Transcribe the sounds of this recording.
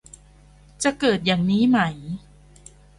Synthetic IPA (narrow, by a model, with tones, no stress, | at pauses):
t͡ɕa˨˩kɤː˨˩t̪̚jaː˨˩ŋniː˦˥ma˦j